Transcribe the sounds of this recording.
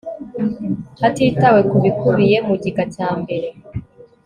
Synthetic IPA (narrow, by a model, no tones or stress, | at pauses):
hatiːtawe̞kuβikuβije̞muɟiɡacaːmbe̞ɾe̞